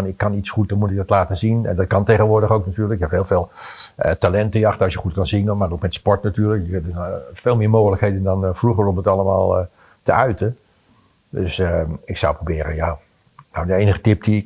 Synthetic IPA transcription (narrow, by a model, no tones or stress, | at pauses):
nɪkːɑnitsχut̚dɔnmutɪk̚ɡdɔtlaːtəzinɛ̰ndɑtkɑnteɣənʋʊːɹdəɣowknatyːrləkjɛphɪːlˠveːlˠtalɛntəjɑxtəɑsjəχutkɑnzɪŋənmaːrowkmɛtspɔɹtnatyːləkjəkənfeːlˠmɪːɹmoːxələkɦeːdəndɑnfruɣərɔmətɑləma̰ːlˠ | təœɥtə | døsɪksɔwprobɪːɾənja | nawdəejnəχətɪp̚di